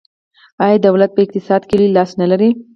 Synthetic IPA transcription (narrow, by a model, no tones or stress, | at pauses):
ɑjɑd̪awlat̪̚pəɪq̚t̪ɪsɑd̪kəlilɑsnalaɾi